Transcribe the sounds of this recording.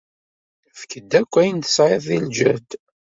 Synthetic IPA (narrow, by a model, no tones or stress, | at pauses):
fkəd̪ːækʷːæjənt̪ə̥sʕeðˤild͡ʒæd̪